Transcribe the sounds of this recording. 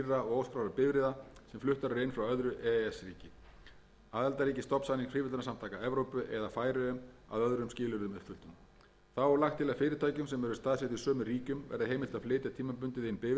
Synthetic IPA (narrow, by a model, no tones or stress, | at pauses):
rːaɔɣoːwskɾawɾapɪvɾɪðasɛmflʏht̪aɾʏɾejnfɾawœðɾʏʔɛɛsɾiːcɪ | aːðɛlt̪aɾiːcɪst̪ɔpsaniŋfɾiːvɪlnasamt̪ʰaːkaɛvɾowpʏʔɛðafaːjɾɪʏma̰ðœðɾʏmscɪːlʏɾðʏmʏt̪fʏlt̪ʏm | θawɛɾlaxt̪ʰːɪlafɪːɾɪɾt̪ʰaːjcʏmsɛmɛɾʏst̪aːðsɛht̪isœːmʏɾiːcʏmvɛ̰ɾðɪɦejmɪlt̪aðfleːt̪at̪ʰiːmapʏnt̪ɪðejnpɪv